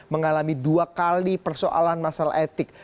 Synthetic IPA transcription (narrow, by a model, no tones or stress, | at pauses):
məŋalamiduakalipərso̰ʔa̰lanmasalaʔet̪ɪk̚